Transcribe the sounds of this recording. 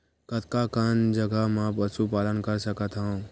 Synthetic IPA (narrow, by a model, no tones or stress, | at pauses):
kət̪kakənd͡ʒəɡəmãpəsupaːlənkəɾsəkət̪ɦaũ